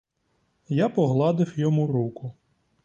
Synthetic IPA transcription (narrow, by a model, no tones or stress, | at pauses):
japɔɦlˠɑd̪ɪwjɔmuɾukʊ